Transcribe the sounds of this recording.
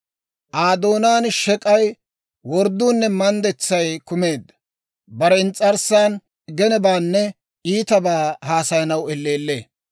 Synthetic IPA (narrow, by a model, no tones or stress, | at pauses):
ʔaːd̪o̞ːnaːnʃɛkʼɐj | wɔɾd̪uːnːɛmɐnd̪ɛt͡sːɐjkʊme̞ːd̪ːɐ̥ | bɐɾɛnt͡sʼɐɾsaːn | ɡɛnɛbaːnːɛ | iːt̪ɐbaːhaːsɐjɐnɐwɛlːeːlːe̞ː